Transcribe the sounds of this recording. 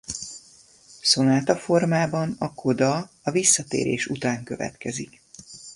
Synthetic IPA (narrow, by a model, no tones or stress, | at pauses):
so̞naːt̪ɒfo̞rmaːbɒnɒkʰo̞d̪ɒ | ɒvisːɒt̪ḛːɾʔḛːʃut̪aːŋkø̞vɛ̰t̪kɛzik